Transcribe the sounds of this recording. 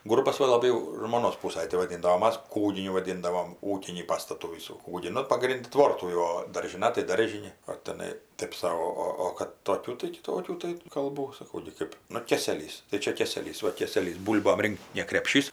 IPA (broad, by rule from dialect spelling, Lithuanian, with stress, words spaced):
ˈɡʊrbɐs ˈʋɐ lˠɐˈbɐɪ jɛʊ ʒmoːˈnoːs ˈpuːsɐj tɐɪ ʋɐˈdʲiːndɐ oː ˈmɐs ˈkuːɡʲɪnʲʊ ʋɐˈdʲiːndɐʋoːm ˈuːkʲɪnʲiː ˈpɑːstɐtuː ˈʋʲiːsuː ˈkuːɡʲiː ˈnʊ pɐˈɡrʲɪnʲdʲɪ ˈtʋoːrtuː jɛʊ oː dɐrʲʒʲɪˈnɐ tɐɪ ˈdɐrʲʒʲɪnʲɪ oː tʲɛˈnɐɪ ˈtʲeːp sɐʊ ˈoː ˈoː oː kɐt toːˈkʲuː tɐɪ kʲɪˈtoːkʲuː tɐɪ kɐlˠˈbuː sɐˈkɐʊ ɡʲɪ ˈkɜp ˈnʊ ˈkʲeːsʲɛlʲiːs tɐɪ ˈt͡ʃʲɛ ˈkʲeːsʲɛlʲiːs ˈʋɐ ˈkʲeːsʲɛlʲiːs ˈbuːlʲboːm ˈrʲɪŋkt nʲɛ krʲɛpʲˈʃʲiːs